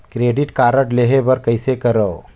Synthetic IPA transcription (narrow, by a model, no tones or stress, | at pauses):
kɾeɖiʈkaɾəʈleɦebəɾkəjsekəɾəw